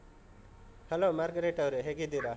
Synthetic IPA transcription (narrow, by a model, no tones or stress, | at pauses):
hɐlomaɾɡɾeʈɐwɾeɦeɡid̪iɾa